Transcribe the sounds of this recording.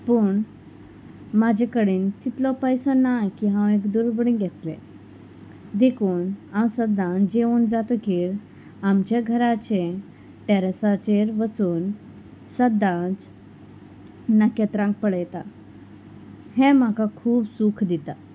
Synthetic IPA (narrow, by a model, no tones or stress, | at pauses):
pəɳ | mad͡ʑʱekəɽiːnt̪it̪lɔpəjsənajkiɦãwekd̪uɾbɽĩɡʱɛt̪lḛ̃ | d̪ekʰuːnawsəd̪ːãd͡ʑeuːnd͡zat̪ɔkiːɾ | ʈamt͡ɕaɡʱəɾat͡ɕe | ʈeɾasat͡ɕeɾʋət͡suːn | səd̪ãt͡s | nəket̪ɾãŋk̚pəɽəjt̪a | hɛ̃m̤akakʰuːbsukʰd̪it̪a